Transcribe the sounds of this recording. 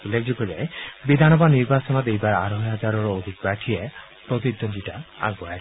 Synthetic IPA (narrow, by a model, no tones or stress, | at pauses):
ulːek̚d͡ʑoɡɔlɛ̰bid̪ʱanɔbaniɾbasɔnɔt̪ejbaɹa̰ɾɔɦɦad͡ʒaɾɔɹod̪ʱik̚baʈʰijɛ | pɾot̪̬id̪ond̪itaa̰ɡɔaa